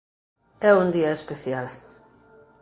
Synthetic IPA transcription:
ɛund̪iɐespeθjal

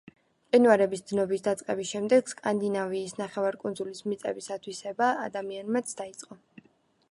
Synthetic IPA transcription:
qʼinuaɾɛbisd̪znɔbisd̪at̪sʼqʼɛbisʃɛmd̪ɛɡskʼand̪inaviːsnaχɛvaɾkʼund̪zulismit̪sʼɛ̰bisat̪ʰwisɛba̰ːd̪amianmat̪sʰd̪ait̪sʼqʼɔ

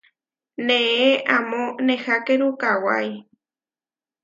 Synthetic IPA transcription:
nẽeʔamonehakeɾukawa̰j

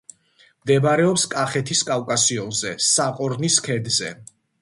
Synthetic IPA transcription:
md̪ɛbaɾɛɔpskʼaχɛt̪ʰiskʼalkʼasiɔnzɛsaqʼɔɾniskʰɛd̪zɛ

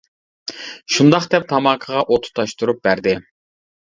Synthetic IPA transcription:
ʃund̪ɑχd̪ɛp̚t̪ʰɑmɑkʰəʁɑʔot̪ʰʊ̥t̪ʰɑʃt̪uɾup̚bæɾd̪ɪ

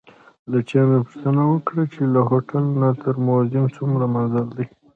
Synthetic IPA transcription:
lat͡ʃɑnapu̥ʂt̪ənawəkɽat͡ʃelaɦoʈalnat̪əɾmozɪmt͡sumɾamanzald̪i

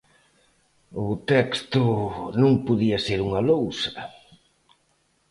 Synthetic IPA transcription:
ʊt̪ɛkst̪ʊnõŋpuðiɐseɾuŋɐlowsɐ̥

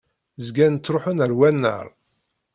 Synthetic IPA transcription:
zɡænt͡s̪ːɾoħənəɾwænːə̰ɾˤ

